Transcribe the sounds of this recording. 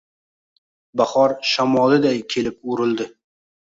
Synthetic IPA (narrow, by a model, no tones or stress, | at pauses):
bahɒɾʃamɒlˠɪd̪ajkʲʰe̞lɪp̚ʊɾɪlˠd̪ɪ